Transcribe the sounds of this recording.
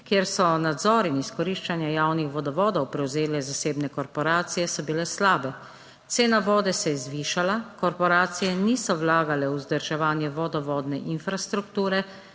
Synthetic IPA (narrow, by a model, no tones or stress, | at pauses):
kjeɾsɔnad̪zɔːɾiniskɔɾiːʃt͡ʃanjajaːwnixʋɔd̪ɔʋɔːd̪ɔwpɾɛwzeːlɛzaseːbnɛkɔɾpɔɾaːt̪sijɛsɔbilɛslaːbɛ | t̪seːnaʋɔːd̪ɛsɛjzʋiːʃalakɔɾpɔɾaːt̪sijɛniːsɔwlaːɡalɛwuzd̪əɾʒɛʋaːnjɛʋɔd̪ɔʋɔːd̪nɛʔinfɾast̪ɾukt̪uːɾɛ